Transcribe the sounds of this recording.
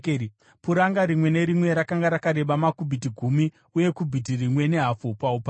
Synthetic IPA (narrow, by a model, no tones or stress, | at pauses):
puɾaŋɡaɾimwe̞ne̞ɾimwe̞ɾakaŋɡaɾakaɾe̞ɓamakubʱit̬iɡʱumi | uje̞kubʱit̬irimwe̞ne̞ɦafupaupa